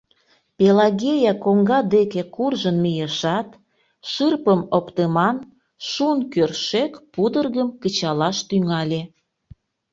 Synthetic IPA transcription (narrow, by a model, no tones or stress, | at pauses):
pelɑɣʲejɑkoŋɡɑd̪ekekurʒənmijeʃɑt̪ | ʃɨrpəmopt̪əmɑn | ʃunkørʃekpud̪ərɣəmkət͡ɕɑlɑʃt̪yŋɑlʲe